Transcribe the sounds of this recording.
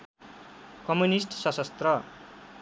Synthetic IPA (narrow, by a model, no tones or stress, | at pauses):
kʌmunisʈsʌsʌst̪rʌ